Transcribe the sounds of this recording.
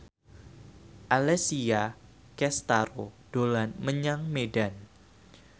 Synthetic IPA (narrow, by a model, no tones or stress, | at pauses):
ʔalɛsia | kɛst̪aɾod̥olanməɲaŋmedan